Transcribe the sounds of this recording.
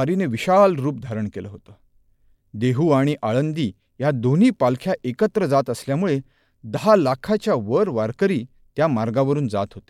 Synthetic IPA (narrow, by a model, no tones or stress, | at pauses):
aɾineʋiɕalɾuːp̚d̪ʱaɾəɳkelə̰ɦot̪əː | d̪eɦuːaɽ̃iʔaɭənd̪iː | jad̪on̤iːpalkʰjaʔekət̪ɾəd͡zat̪əsljamuɭe | d̪əɦalakʰat͡ɕjaʋəɾʋaɾkəɾiː | t̪jamaɾɡaʋəɾuːnd͡za̰t̪ɦot̪e̥